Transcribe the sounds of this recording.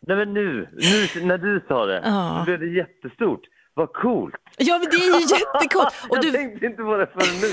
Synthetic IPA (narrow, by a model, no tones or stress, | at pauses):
nɛmɛnːʉ̟ːnʉ̟ːnæɖɵsɑːd̪ɛ̰ɑɔlɪvd̪ɛjɛt̪ːəst̪uːʈ | vakʰuːlt̪jɑːmɛd̪ɛæɾjɵjɛt̪ːəkʰuːlt̪ɔdt̪ɵɛŋkt̪əɪnt̪əpʰɔd̪ɛfœːɾɛnːʉ